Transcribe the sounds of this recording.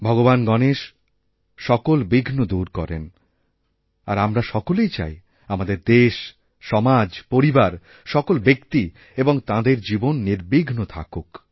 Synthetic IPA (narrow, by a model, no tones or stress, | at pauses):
bʱɔɡobanɡɔneʃ | ʃɔkolbiɡʱnod̪uɾkɔ̰ɾḛn | a̰ɾamɾaʃɔkolejt͡ɕa̰j | amad̪eɾd̪eʃ | ʃɔmad͡ʑpoɾibaɾ | ʃɔkolbekt̪i | eboŋt̪ãd̪eɾd͡ʑibonːiɾbiɡʱnot̪ʰa̰kok